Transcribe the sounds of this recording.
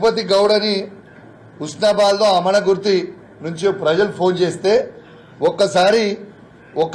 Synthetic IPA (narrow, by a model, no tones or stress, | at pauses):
pɐt̪̬iɡɐwɽɐni | usnaːbaːlːoːɐmɐɳɐɡuɾt̪i | nuɲt͡ʃipɾɐd͡ʒɐlupʰo̞ːnt͡ʃe̞ːst̪e̞ː | ɔkːɐsaːɾi | ɔkː